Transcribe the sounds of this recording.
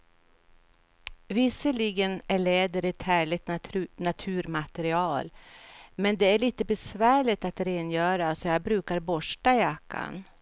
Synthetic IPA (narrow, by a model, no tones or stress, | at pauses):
vɪsːəɭiɡənæɭeːd̪əɾɛt̪hæːɭɪt̪nat̪ʰʉ̟ːɾmat̪ɛɾɪɑːlmɛnd̪ɛæɭiːt̪əbɛsvæːɭɪt̪at̪ɾeːnjœːɾasɔjɑbɾʉːkaɾbɔʂʈajakʰːa̰n